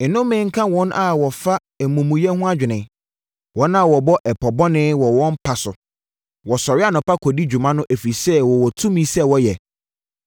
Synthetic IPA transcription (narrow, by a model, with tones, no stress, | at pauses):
ɪ˨nʊ̃˦mːɪ̃˦ŋ̩˦kʰã˦wɔ̃˦nʔa˦wɔ˨fa˦ | ɛ˨mũ˨mũ˨jɛ˦hʊ̃˦a˦d͡ʑᶣɪ˨nɪ̃˨ | wɔ̃˦nã˦˨wɔ˨bɔ˦ʔɛ˨pʰɔ˨bɔ˦nɪ̃˦wɔ˨wɔ̃˦m˦pʰa˨sʊ˨ | wɔ˨sɔ˨ɾɪ˦a˨nʊ̃˨pa˦kʰɔ˨di˦d͡ʑu˨mã˦nʊ̃˦ʔæ˨fi˨sɛ˦wɔ˨wɔ˨tʰũ˦mĩ˦sɛ˦wɔ˦jɛ˨